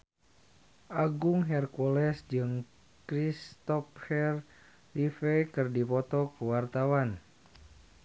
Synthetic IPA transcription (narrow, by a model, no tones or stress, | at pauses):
ʔaɡuŋɦɛrkɔlɛsd͡ʒɨŋ | kɾist̪ɔphɛr | lifɛkɨrdipɔt̪ɔkuwart̪awan